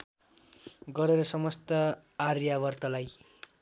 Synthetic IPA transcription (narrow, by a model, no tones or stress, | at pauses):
ɡʌɾeɾʌsʌmʌst̪ʌ | arjabʌrt̪ʌlaj